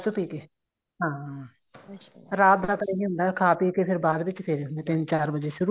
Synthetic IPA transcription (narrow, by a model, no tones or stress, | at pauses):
t͡ʃʊpiːkeː | ɦãː | ɾaːt̪̚d̪aːt̪ləɦĩɦʊ̃nd̪aːkʰaːpiːkepʰɪɾbaːd̪ʋɪt͡ʃpʰɪɾend̪ẽːt̪ɪnt͡ʃaːɾbəd͡ʒeːʃʊɾu